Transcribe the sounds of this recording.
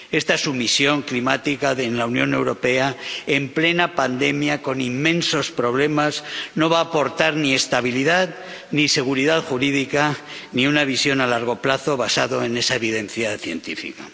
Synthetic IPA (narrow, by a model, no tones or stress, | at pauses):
e̞st̪asumisjo̞ŋklimat̪ikaðenlaunjõ̞ne̞wɾo̞pe̞ae̞mple̞napand̪e̞mjako̞nimːẽ̞nso̞spɾo̞β̞le̞mazno̞βaːpo̞ɾt̪aɾnie̞st̪aβ̞iliðað | nise̞ɣ̞uɾiðaðxuɾiðika | niunaβ̞isjo̞nalaɾɣ̞o̞plaθo̞βasaðoe̞ne̞saeβiðe̞nθjaθje̞̰nt̪ifḭka̰